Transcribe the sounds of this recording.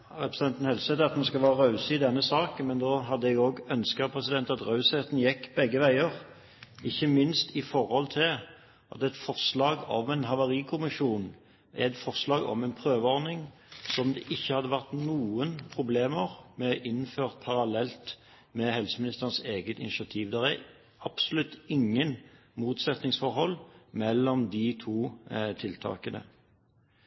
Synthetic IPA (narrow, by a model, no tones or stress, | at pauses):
ɾɛpɾəst̪ɛnt̪ən̩hɛlsɛːt̪ɑt̪nuskɑlʋæːʁəʁɑʉsəɪd̪ɛnːəsɑːkənmɛnd̪oːɦɑd̪ːəɛɡoːɡœnskəpʰʁɛsɪd̪ɛnt̪ɑt̪ʁɑʉseːt̪n̩jɛkːbɛɡːəʋæɪəʁ | ɪçːəmɪnst̪ɪfɔʁhɔlt̪ʰɪl | ʔɑ̰t̪ɛt̪fɔʁslɑːɡɔmɛnɦɑʋɑʁiːkʰʊmɪʂuːn | ʔɛt̪fɔʁslɑːɡɔ̰mɛɪnpʰʁøːʋəɔʁnɪŋ | sɔmd̪ɛʔɪçːəhɑd̪ːəʋæʁt̪nuːənpʰʁʊbleːməʁmɛʔɪnføːʁt̪̚pʰɑʁɑlɛlt̪ | mɛhɛlsəmɪnɪst̪əʁnseːɡət̪ɪnɪʂɑt̪ʰiːʋd̪ɛʁæʁ | ɑb̥sʊlʉt̪ːɪŋːən | muːt̪sɛt̪nɪŋsfɔʁhɔlːmɛlːɔmd̪ɪt̪ʰuːt̪ʰɪlt̪ʰɑ̰ːkənə̰